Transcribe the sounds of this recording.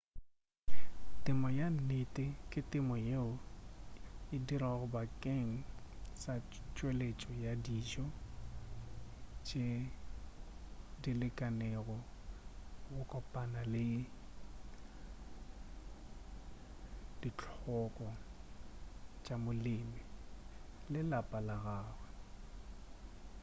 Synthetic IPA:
tʼɪmɔjan̩nɪtʼɪkʼɪtʼɪmɔjeʊ | ɪdiɾaɣʊbakʼeŋ̩sa | t͡ʃʼwelet͡ʃʼɔjadiːd͡ʒɔ | t͡ʃʼe | dilɪkʼaneɣɔ | ɣʊkʼɔpʼanalɪ | dit͡ɬʰʼɔkʼɔ | t͡ʃʼamʊlɪmɪ | lɪlapʼalaɣaːɣwɛ

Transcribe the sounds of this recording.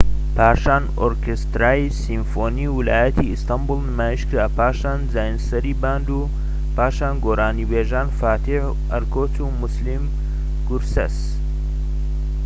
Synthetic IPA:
pʰaːʃaːn | o̰ɾkest̪ɾaːisimfoːniwilaːjɐt̪ʰiist̪ɐmbulnɨmaːjiʃkɨapʰaːʃaːnzaːjinsɐɾiːbaːnd̪uː | paːʃaːnɡoːɾaːnibeːʒaːnfaːt̪ʰih | ɐɾkʰoːt͡sumuslim | ɡuɾsɐ̰s

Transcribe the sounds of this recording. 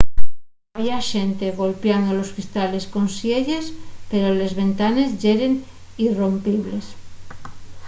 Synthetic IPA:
aβjaʃent̪eɣo̞lpjand̪oloskɾist̪ale̞sko̞nsjeʎespeɾole̞zβe̞nt̪ane̞zʝeɾeŋ | irompiβles

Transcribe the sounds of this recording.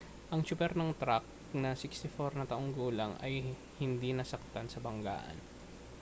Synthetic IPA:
ʔɐŋt͡ʃʊpɛɾnɐŋt̪ɾak̚ | nɐsɪkst̪ɪfoɾnɐt̪ɐʔoŋɡuːlɐŋʔɐ̰j | hɪnd̪inɐsɐk̚t̪ansɐbɐŋɡa̰ːʔɐ̰n

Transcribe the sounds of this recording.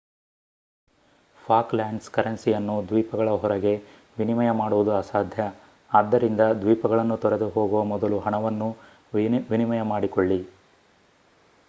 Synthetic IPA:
pʰaːklaːɳɖskɐɾɐnsijɐnːud̪ʋiːpɐɡɐɭɐɦɔɾɐɡe̞ | ʋinimɐjɐmaːɽuʋud̪uaːsaːd̪ʱjɐ | aːd̪ːɐɾind̪ɐd̪ʋiːpɐɡɐɭɐnːut̪ɔɾed̪uɦo̞ːɡuʋɐmɔd̪ɐluɦɐɳɐʋɐnːu | ʋinimɐjɐmaːɽikoɭːi

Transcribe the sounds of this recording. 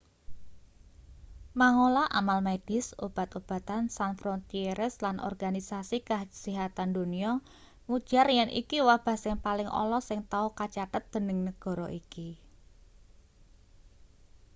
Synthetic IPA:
maŋolaʔamalmed̥ɪsob̥a̤t̪ob̥a̤t̪ansanfɾɔnt̪ieɾɛslanʔɔ̰rɡ̥anisasikaə̥siɦat̪and̪o̤niɔ | ŋud̥ʒ̥a̤rjɛnʔḭkiwab̥a̤sɪŋpalɪŋʔɔ̰lɔsɪŋt̪aukat͡ʃat̪ət̪̚d̪̥ə̤nəŋnəɡ̥ɔ̤ɾɔʔiki

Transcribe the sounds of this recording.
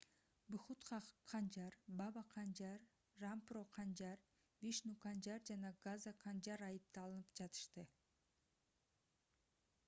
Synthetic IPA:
bʊχut̪χɑqʰːɑnd͡ʒɑɾbɑbɑqʰɑnd͡ʒɑɾː | amproqʰɑnd͡ʒɑɾ | viʃnukɑnd͡ʒɑɾd͡ʒɑnɑɡazaqʰɑnd͡ʒɑɾɑjɯp̚t̪ɑlˠɯnɯpd͡ʒɑt̪ɯ̥ʃt̪ɯ

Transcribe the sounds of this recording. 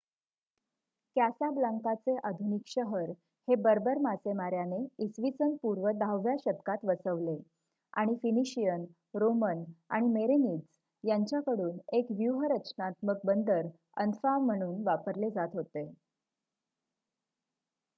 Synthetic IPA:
kæsablaŋkat͡seʔad̪ʱunikɕəɦəɾ | hebəɾbəɾmasemaɾjaneisʋit͡sənpuɾʋəd̪ʱaʋʋjaɕəd̪kat̪ʋəsəʋle | a̰ɽ̃ifiniɕijən | ɾoməna̰ɽ̃imeɾenit͡s | jaɲt͡ɕjakəɽuːnekʋjuɦəɾət͡ɕnat̪mək̚bənd̪əɾ | ə̰nfam̤ːəɽ̃uːnʋapəɾled͡zat̪ɦot̪e

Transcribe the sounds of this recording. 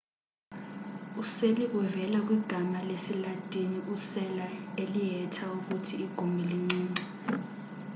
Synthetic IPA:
useliʔuvɛlak̬wiɡ̥ʱamalesilad̥ʼʱiniʔusɛlaelijɛtʰauk̬utʰiːɡ̥ʱumʱiliŋ͡ǀiːŋ͡ǀi

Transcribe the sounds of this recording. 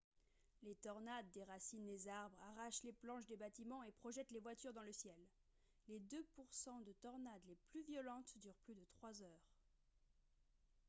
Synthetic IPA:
let̪ɔʁnad̪ːeʁasind̪ezaʁbʁaʁaʃleplɑ̃ʃd̪ebat̪imɑ̃epχɔʒɛt̪levwat̪yʁd̪ɑ̃ləsjɛlː | ed̪øpuʁsɑ̃d̪ət̪ɔʁnad̪leplyvjɔlɑ̃t̪d̪yʁplyd̪ət̪χwazœːʁ

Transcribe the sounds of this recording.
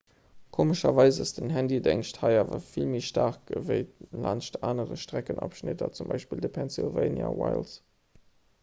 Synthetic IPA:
kʰoːməʃɐvɑɪzəsd̥ənɦændidæŋʃthɑɪaːvɐfilmiʃtaːʁk̚ɡəvəɪlɑnʃtaːnəʁəʃtʁ̥ækənʔɑ̰pʃnɪtɐt͡sumbɑɪʃpiːldəpʰɛnsilveɪnja̰waɪls

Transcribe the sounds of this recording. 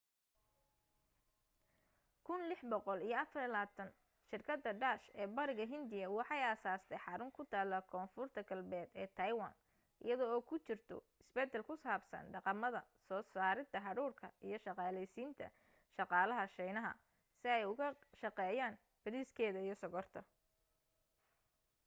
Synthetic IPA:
kʰʊnlɪħbɔqɔlijɞɐfɐɾlaːt̪ʰɐn | ʃɪrkʰɐd̪ːɐɖaːʃɛːbɐɾɪɣɐɦɪnd̪ɪjɐwɑħɑjaːsaːst̪ʰɛjħɑɾʊŋkʰʊt̪ʰaːlːɐkʰɔːnfʊrt̪ʰɐɡɐlbɛːd̪ɛːt̪ʰɐjwɐ̰n | ʔɪ̰jɐðɔɔːkʰʊt͡ʃɪrt̪ʰɔ̰ | ɪsbɛt̪ɛlkʰʊsaːbsɐ̰nɖɑqɑmɐðɐsɔːsaːɾɪd̪t̪ʰːɐɦɑɾuːrkʰɐijɞʃɑqɑːlɛjsiːnt̪ʰɐ̰ | ʃɑqɑːlɐɦɐʃɛjnɐɦɐ̰ | sɪɛjʊɣɐʃɑqɛːjaːn | bɐɾiːskʰɛːðɐijɞsɔɣɔrt̪ʰɐ

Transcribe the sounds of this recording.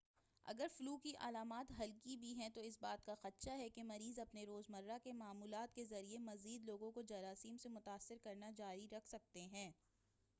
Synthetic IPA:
ɐ̰ɡəɾfʊluːkiʔɐ̰laːmaːt̪ɦɐlkibʱiɦɛ̃t̪oɪsbaːt̪kaxɐt̪ʃaɦɛkemɐɾiːzɐpneɾoːzmɐɾːakemaːmuːlaːt̪̚kezɐɾiemɐziːd̪loːɡõkod͡ʒɐɾaːsiːmsemʊt̪aːsːɪɾkɐɾnad͡ʒaːɾiɾɐkʰsɐk̚t̪eɦɛ̃ː

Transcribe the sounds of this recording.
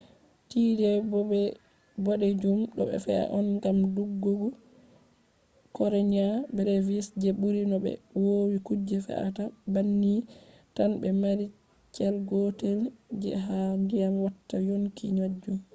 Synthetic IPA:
tiːdɛbɔbɛ | bɔɗed͡ʒumɗɔɓɛ̰fɛa̰ʔɔnɡamduɡːoɡu | kɔɾeɲabɛɾɛvisd͡ʒɛbuɾinɔbɛ̰wowikud͡ʒːɛfɛ̰ʔa̰tabanːi | tanbɛmaɾi | t͡ʃɛlɡɔtɛld͡ʒɛ̰ɦandijamwatːajonkiɲad͡ʒːum

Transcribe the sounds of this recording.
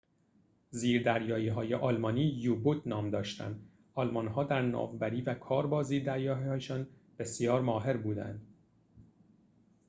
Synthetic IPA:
ziːɾd̪æɾjɒːjiːɦɒːje̞ʔɒːlmɒːniːjuːbut̪nɒːmd̪ɒːʃt̪æ̰nd̪ | ɒːlmɒnɦɒːd̪æɾnɒ̰ːvbæɾiːvækʰɒːɾbɒːziːɾd̪æɾjɒːɒːjeʃɒːn | b̥e̞sjɒːɾmɒːɦe̞ɾbuːd̪æ̰nd̪

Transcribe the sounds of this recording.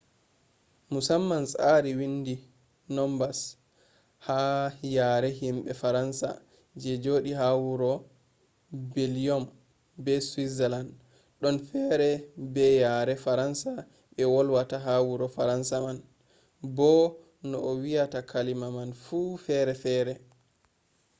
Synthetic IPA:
musamːansaɾiwindi | nɔmbas | hajaɾɛɦimɓɛfaɾansa̰ | d͡ʒɛd͡ʒoːɗiɦawuɾɔ | bɛlijɔm | bɛswizɛland | ɗɔnfɛɾɛbɛjaɾɛfaɾansa | ɓɛwɔlwataɦawuɾɔfaɾansaman | bɔ | nɔʔɔwijatakʰalimamanfufɛɾɛfɛːɾɛ

